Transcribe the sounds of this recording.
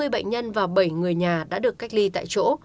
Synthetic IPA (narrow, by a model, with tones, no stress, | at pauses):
ɨ˧əjɓə̰˧˨jŋ̟ɲə˧nvaː˨˩wɓə˧˩jŋɨ˨˩əjɲaː˨˩ɗa̰ː˧˥ɗɨ˨˩əkːa˦˥jk̟̚li˧t̪a̰ː˧˨jt͡ɕo̰˧˥